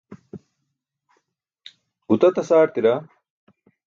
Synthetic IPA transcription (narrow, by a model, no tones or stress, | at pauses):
hut̪ɐt̪ɐsaːʈt̪iɾa